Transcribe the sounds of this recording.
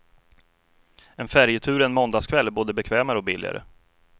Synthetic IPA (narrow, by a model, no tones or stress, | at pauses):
ɛnfæɾjət̪ʰʉ̟ːɾɛnmɔnd̪ɑːskʰvɛlːæɾboːd̪əbɛkʰvɛːmaɾəɔk̚bɪlːɪ̰a̰ɾʔə̰